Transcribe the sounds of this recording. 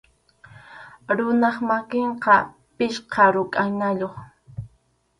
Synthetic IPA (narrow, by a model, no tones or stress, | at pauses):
ɾʊnɑχmakɪɴqɑ | pɪʃqɑɾʊkʼanaʎoχ